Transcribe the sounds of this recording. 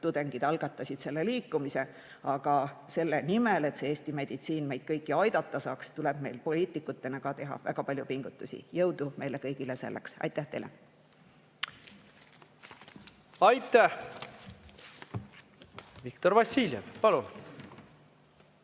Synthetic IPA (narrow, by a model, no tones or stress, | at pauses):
t̪ud̪̥e̞ŋɡ̥id̪̥ɑlɡ̥ɑt̪ːˑɑsʲid̪̥se̞lːe̞liːkːˑumise̞ | ɑɡ̥ɑse̞lːenimele̞t̪seeːsʲt̪ime̞d̪̥it̪siːnme̞jd̥̪̚kɤjkːˑiɑjd̪̥ɑt̪ˑːɑsɑːkst̪ule̞b̥me̞jlpo̞lʲiːt̪ːˑikːˑut̪ːe̞nɑkɑt̪e̞ɦɑ̰væ̰ɡ̥ɑpɑlʲjupiŋɡ̥ut̪ːˑusḭjɤwd̪̥ume̞jlekɤjɡ̥ilese̞̰lːḛksɑ̰jt̪ːæht̪ejle | ɑjt̪ːˑæh | vikt̪oɾvɑsiːljevpɑlun